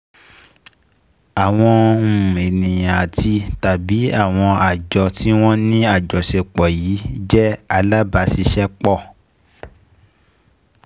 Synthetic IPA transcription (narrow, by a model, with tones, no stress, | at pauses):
a˨w̃ɔ̃˧˨e˨nĩ˨jã˨ti˧ta˨bi˨˦a̰˦˨w̃ɔ̃˧a˨d͡ʒɔ˧ti˦w̃ɔ̃˦nĩ˦a˦˨d͡ʒɔ˨ʃe˧k͡pɔ˨jiː˨˦d͡ʒɛ˦a˧la˦ba˧˦si˧ʃɛ˦k͡pɔ˦˨